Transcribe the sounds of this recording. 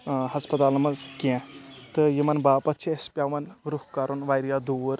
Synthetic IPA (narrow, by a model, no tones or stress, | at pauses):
hɐspɐt̪aːlɐmɐzkʲẽt̪ɨjimɐnbaːpɐt̪t͡ʃʰiespʲaːʋɐnɡɾuhkaɾunʋajɾijaːd̪uːɾ